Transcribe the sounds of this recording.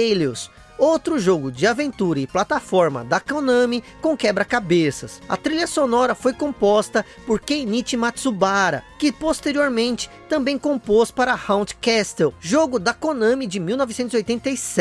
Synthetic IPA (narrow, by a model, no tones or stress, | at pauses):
elus | owt̪ɾʊʒoɡʊd͡ʒɪavẽnt̪uɾɐɪplat̪afɔɾmɐ̰d̪ɐkõnɐ̃mɪkõw̃kɛbɾɐkabesɐsɐ̰t̪ɾiʎɐsonɔɾɐfojkõpɔst̪ɐ | poɾkejnit͡ʃɪmat̪subaɾɐ̰kɪpost̪eɾioɾmẽnt͡ʃɪ̥t̪ɐ̃mbẽj̃kõmpospaɾɐhɐ̃w̃t͡ʃ̪kɛst̪ɛwʒoɡʊd̪ɐkõnɐ̃mɪd͡ʒɪmiwnɔvɪsẽnt̪ʊzojt̪ẽnt̪ɐjsɛ